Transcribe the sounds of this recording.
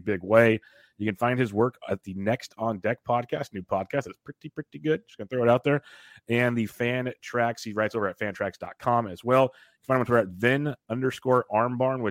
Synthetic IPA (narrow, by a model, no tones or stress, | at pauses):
bɪɡweɪ | jɨkɨ̃nfãɪ̃nd̚ɨzwɜ˞kɨt̪̚ðɨnɛkstʰn̩dɛk̚pʰɑd̚kʰæstⁿnʉpʰɑd̚kʰæstðætspʰɹ̥ɪɾipʰɹ̥ɪɾiɡʊd̚d͡ʒʌ̥sɡ̥ʌnəθɹoʊəɾaʊt̪̚ðə˞ɨ̃nðɨfæ̃ntʰɹ̥ækshiɹaɪtsoʊvə˞ɨtfæ̃ntʰɹ̥æksd̥ɑ̰t̚kʰɑ̃mɨzwɛlˠ | jɨkɨn̥̩fãɪ̃ñmwʌ̃nwə˞kɨtvɪ̃nʌ̃ndə˞skɔɹʔɑɹmbɑɹnwɨ